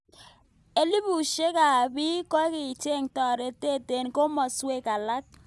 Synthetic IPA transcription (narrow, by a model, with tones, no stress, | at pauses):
e˦li˦bu˨ʃe˦ka˨bi˦kɔ˦kɪ˨t͡ʃe˦˨ŋtɔ˨ɾe˨te˦˨te˨nko˦mɔ˨swe˦ka˨la˦k̚